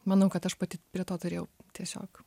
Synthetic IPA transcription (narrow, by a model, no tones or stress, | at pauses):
mɐnɐʊkɐt̪ɐʃpɐt̪ʲɪpʲɾʲiɛt̪oːt̪ʊɾʲeːjɛʊt̪ʲiɛsʲo̰ːk